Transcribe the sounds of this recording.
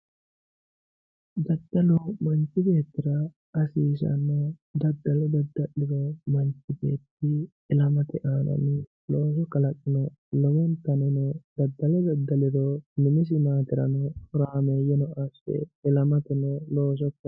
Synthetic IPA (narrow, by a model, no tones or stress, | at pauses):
d̪ɐd̪ːɐlɔmɐnt͡ʃːɪbe̞ːt̪ːɪɾɐ | ɐsiːʃɐ̰nːɔd̪ɐd̪ːɐlɔd̪ɐd̪ːɐlɪɾɔmɐnt͡ʃːɪbḛːt̪ːɪː | lɐmɐt̪ɛʔaːnɐ̰nɪ | loːsɔkɐlɐkʼːɪnɔ | lɔwɔnt̪ɐnɛnɔd̪̥ɐd̪ːɐlɔd̪ɐd̪ːɐlɪɾɔnɪmɪs̬ɪmaːt̪ɪɾɐ̰nɔhʊɾaːmeːjɛnɔʔɐsɛ̰ɪlɐmɐt̪ɛnɔloːʃ̬ɔkː